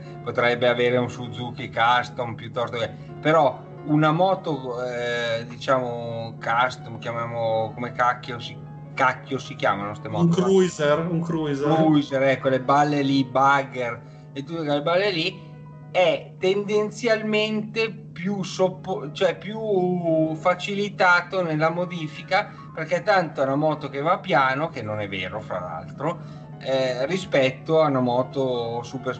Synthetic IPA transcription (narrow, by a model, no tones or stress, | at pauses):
pot̪ɾɛjbeaveːɾeunsud̪zukikast̪ompjut̪ːɔst̪oke | peɾɔ | unamɔːt̪o | d̪it͡ʃaːmokast̪omkjamjaːmokomekakːjosi | kakːjosik̟ja̰ːmanost̪emɔuːŋkɾuzeruŋkɾuizekuzeɾɛkːwelːebalːelibaɡer | et̪ːut̪ːokolebalːeli | ɛt̪ːend̪ent̪sjalment̪e | pjusopːot͡ʃoɛpju | fat͡ʃilit̪aːt̪onelːamod̪iːfika | perkɛt̪ːant̪oanamɔːt̪ok̟evapːjaːnokenːonɛvḛːɾofɾa̰la̰lt̪ɾo | ɛrispɛt̪ːoaunamɔːt̪osuper